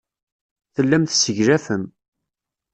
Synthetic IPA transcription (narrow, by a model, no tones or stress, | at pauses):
θəlːæmθsəʝɾæfəm